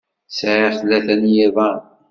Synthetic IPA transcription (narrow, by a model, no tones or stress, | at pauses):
sʕiθlːæθænjævæ